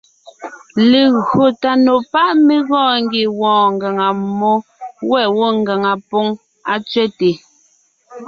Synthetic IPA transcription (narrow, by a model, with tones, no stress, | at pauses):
le˨ɣo˨ta˨no˨pa˦ʔme˦ɣɔ̃ː˦˨ŋ˦ɡi˨wɔ̃ː˨ŋ˨ɡa˨ŋa˨mɔ˦wɛ˦˨wo˦ŋɡa˨ŋa˨po˦ŋ | a˨t͡sɥɛ˦te˨